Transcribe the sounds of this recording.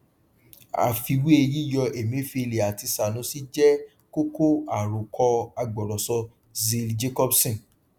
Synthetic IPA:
a̰˨fi˧we˦e˧ji˦jɔ˧e˨mĩ˨˦fi˦˧e˧le˨a˨ti˧sa˨nũ˨˦si˦d͡ʒɛ˦ | ko˦ko˦a˦˨ɾo˨kʰɔ˧a˧ɡ͡bɔ˨ɾɔ˨sɔ˧ | zi˧ld͡ʒe˦kɔ˦bsĩ˦˨

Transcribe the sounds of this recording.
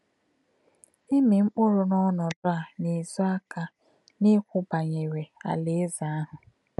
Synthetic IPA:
i˦me˨ŋ͡m̩˦k͡pʊ˦ɾʊ˨nɔ˦nɔ˨dʊ˦a˨ni˨zɔ˦a˦ka˦ | ni˦kʷʊ˦ba˨ɲe˨we˨a̰˨le˦za˨a˦ɦʊ˨

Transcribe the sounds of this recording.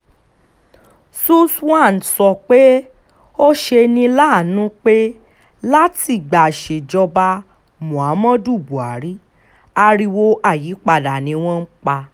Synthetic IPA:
su˦sã˦˨n̩˨sɔ˧k͡pe˦ | o˦ʃe˧nĩ˧la˦˨nũ˦k͡pe˦ | la˦ti˨ɡ͡ba˨ʃe˨d͡ʒɔ˧ba˧ | mũ˨a˨˦mɔ̃˦du˦˨bu˨a˨ɾi˦ | a˧ɾi˧wo˧ʔa˦˨jiː˨˦k͡pa˧˨da˨nĩ˨˧˦w̃ɔ̃˦n̩˦k͡pa˧

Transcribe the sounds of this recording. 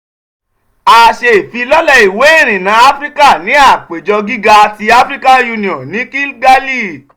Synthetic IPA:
a˨ʃe˧˨fi˧lɔ˦lɔ˧i˨we˨˦e˦˨ɾ̃ĩ˨nã˨˦a˦fɾi˦ka˦˨nĩ˨˦a˦˨k͡pe˨d͡ʒɔ˧ɡi˦ɡa˧a˧ti˧a˦fɾi˦ka˦ju˧nĩ˨ɔ̃˨nĩ˨˦ki˦lɡa˦li˦˨

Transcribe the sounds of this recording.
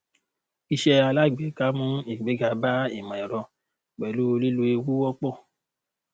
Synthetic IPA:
i˧ʃɛ˧a˧la˦˨ɡ͡be˨˦ka˦mũ˦i˨ɡ͡be˨˦ɡa˧ba˦ḭ˨mã˨i˨ɾɔ˧˨ | k͡pɛ˨lu˦˧li˦lu˧˦e˧wu˦wɔ˦k͡pɔ˦˨

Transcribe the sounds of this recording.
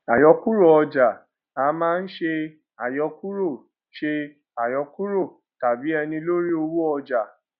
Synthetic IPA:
a˨jɔ˧ku˦ɾo˦˨ɔ˧d͡ʒa˨ | a˨˦mãː˦n̩˦ʃe˧ | a˨jɔ˨˧ku˦ɾo˦˨ | ʃe˧ | a˨jɔ˨˧ku˦ɾo˦˨ | ta˨bi˨˦ɛ˧nĩ˧lo˦ɾi˦o˧wu˦ɔ˧d͡ʒa˨

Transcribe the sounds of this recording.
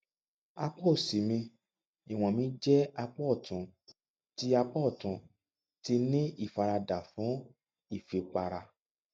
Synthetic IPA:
a˧k͡pɔ˦˨si˨mĩ˧ | i˨w̃ɔ̃˨mĩ˦d͡ʒɛ˦a˧k͡pɔ˦˨tũ˨ | ti˦a˧k͡pɔ˦˨tũ˨ | ti˧nĩ˦i˦˨fa˧ɾa˧da˨fũ˨˦ | i˦˨fe˨k͡pa˧ɾa˧

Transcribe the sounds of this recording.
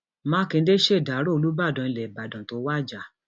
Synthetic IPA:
mãː˦kẽ˧˦de˦ʃe˦˨da˨˦ɾo˦˨˧lu˦ba˦˨dɔ̃˨ĩ˧lɛ˨ba˨dɔ̃˨to˧˦wa˦˨d͡ʒa˨

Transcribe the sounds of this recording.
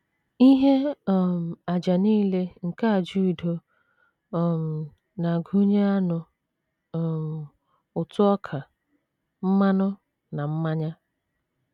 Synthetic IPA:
i˦ɦe˦˨m̩˨a˨d͡ʒa˨niː˦le˦ŋ̩˨ka˦a˨d͡ʒu˦i˨do˦˨ | m̩˨ | na˨ɡu˦ɲe˦a˦nʊ˦˨ | ʊ˨tʊ˦ɔ˦kʰa˨ | m̩˦ma˦nʊ˦ | na˨m̩˦ma˦ɲa˦

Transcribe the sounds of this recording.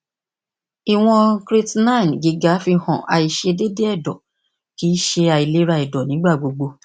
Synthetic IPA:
i˨w̃ɔ̃˧kɾi˧tnã˦˨n˨ɡi˨˦ɡa˨˦fi˧hɔ̃˨ʔa˧i˧ʃe˧de˦de˦ɛ˦˨dɔ˨ | ki˦ʃe˧a˧i˨le˨˦ɾa˧i˨dɔ˨nĩ˨˦ɡ͡ba˦˨ɡ͡bo˧ɡ͡bo˧

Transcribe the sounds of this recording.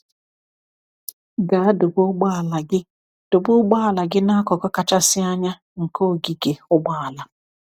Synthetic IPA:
ɡa˨a˦dʊ˨bʊ˦ɡ͡ba˦˨la˨ɡɪ˦ | d̥ʊ˨bʊ˦ɡ͡ba˦a˨la˨ɡɪ˦na˦kɔ˨kɔ˦ka˨t͡ʃa˦sɪ˦a˦ɲa˦ | ŋ̩˨ko˦˨ɡi˨ɡe˨ʊ˦ɡ͡ba˦a˨la˨

